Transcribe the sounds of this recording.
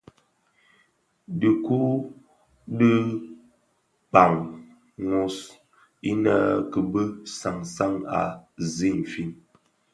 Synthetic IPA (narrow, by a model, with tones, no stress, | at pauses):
də˨ku˦ | də˦ | pa˨ŋ | ŋo˦s | i˦na˦kə˨bə˦sa˨ŋsa˦ŋa̰˨zi˦˨n̩˨fi˦n